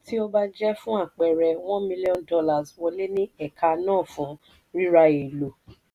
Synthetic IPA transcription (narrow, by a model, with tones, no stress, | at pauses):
ti˦o˧ba˦d͡ʒɛ˦fũ˦a˦˨k͡pɛ˨ɾɛ˨w̃ɔ̃˦mĩ˧li˦ɔ̃˦ndɔ˧˦la˨zwɔ˧le˦nĩ˦ɛ˦˨kʰa˧nãː˦˨fũ˨˦ | ɾi˦ɾa˧e˨lo˨